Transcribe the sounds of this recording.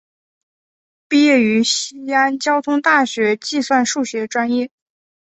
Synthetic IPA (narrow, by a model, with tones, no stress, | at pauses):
pi˥˧jɛ˥˩y˧˥ɕi˥a˥nt͡ɕjɑ˥ʊt̪ʰʊ˥ŋt̪a˥˩ɕɥɛ˧˥t͡ɕi˥˧swa˥˧nʂu˥˩ɕɥɛ˧˥ʈ͡ʂwa˥njɛ˥˩